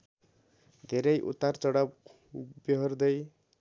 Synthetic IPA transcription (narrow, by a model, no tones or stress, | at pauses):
d̪ʱeɾʌjʔṵt̪ːart͡sʌɽʌp | biɦʌrd̪ʌj